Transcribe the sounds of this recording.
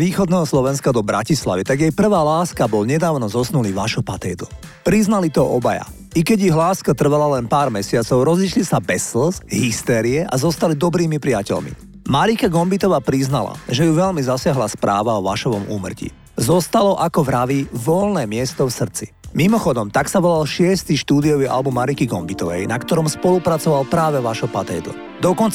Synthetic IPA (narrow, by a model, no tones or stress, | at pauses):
ʋiːxɔd̪nɛːɦɔslɔʋɛnskad̪ɔbɾa̰cisla̰ʋit̪aɡjɛjpr̩ʋaːlaːskabɔlɲɛd̪aːʊnɔzɔsnuliːʋaʃɔpat̪ɛːt̪upɾiznalit̪ɔʔɔbaja̰ | ikɛɟiɦlaːskat̪r̩ʋalalɛnpaːɾmɛsɪat͡sɔʊɾɔziʃlisabɛsl̩sɦist̪ɛːɾiɛʔazɔst̪alid̪ɔbɾiːmipɾiacɛ̰ʎmḭ | maɾikaɡɔmbit̪ɔʋaːpɾiznala̰ʒɛjuʋɛlmizasɪaɦlaspɾa̰ːʋaɔʋaʃɔʋɔmṵːmr̩cḭ | zɔst̪alɔʔakɔʋɾaʋiʋɔlnɛːmɪɛst̪ɔfsr̩t͡simimɔxɔd̪ɔmt̪aksaʋɔlalʃɪɛst̪iʃt̪uːd̪iɔʋiʔa̰lbumːaɾikiɡɔmbit̪ɔʋɛ̰jnakt̪ɔɾɔmspɔlupɾat͡sɔʋalpɾaːʋɛʋaʒɔpat̪ɛjd̪lɔ̰ | d̪ɔkɔnt͡s